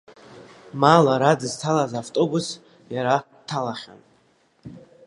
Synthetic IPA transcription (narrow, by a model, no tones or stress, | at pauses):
malaɾadɨztʰalazaftʼobus | jaɾa | tʰalaχʲa̰n